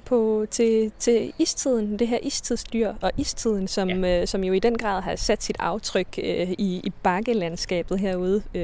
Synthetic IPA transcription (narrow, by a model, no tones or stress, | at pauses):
pʰɒ̽t͡sʰe̝t͡sʰe̝iːst͡sʰið̞̰ˠn̩d̥e̝ɦeɐʔḭːst͡sʰiðˠsd̥yɐ̰ɒ̽ʔist͡sʰið̞̰ˠn̩sɒ̽msɒ̽mjo̝id̥enɡ̥ʁɑ̰̈ːðˠɦɑ̈sæd̥sid̥ɑ̈ʊt͡sʰʁœɡ̥iːb̥ɑ̈ɡ̥əlænsɡ̥ɛ̰ːb̥ð̩ˠɦeɐ̰uð̞ˠə